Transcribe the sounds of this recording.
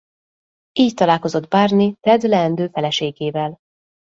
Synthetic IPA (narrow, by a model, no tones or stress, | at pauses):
iːct̪ɒlaːlko̞zo̞d̪baːrnit̪ɛd̪lɛːnd̪øːfɛlɛʃeːɡeːvɛl